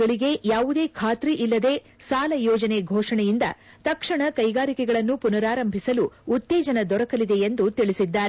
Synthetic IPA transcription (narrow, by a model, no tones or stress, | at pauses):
ɐɭiɡe̞jaːʋud̪e̞ːkʰaːt̪ɾiʔilːɐd̪e̞ː | saːlɐjɔːd͡ʒɐne̞ɡʱɔːʂɐɳɛjind̪ɐ̰ | t̪ɐkʂɐɳɐkɐjɡaːɾikɛɡɐɭɐnːupunɐɾaːɾɐmbʱisɐluːt̪ːeːd͡ʒɐnɐd̪ɔɾɐkɐlid̪e̞jend̪ut̪iɭisid̪ːaːɾe